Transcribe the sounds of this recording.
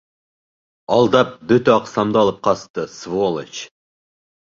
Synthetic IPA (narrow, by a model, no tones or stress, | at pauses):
ɑlˠd̪ɑp̚bɵt̪ɑqsɑmd̪əɑlˠəp̚qʰɑst̪əsvolˠet͡ʃ